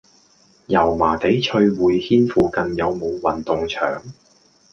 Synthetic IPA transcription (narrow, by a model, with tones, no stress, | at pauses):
jɐ˨˩wmaː˨˩t̪e˨˥jt͡ʃʰɵ˧ɥwuː˨˧jhiː˥nfuː˨kɐ˧njɐ˨˧wmo˨˧wwɐ˨nt̪ʊ˨ŋt͡ʃʰœ̰ː˨˩ŋ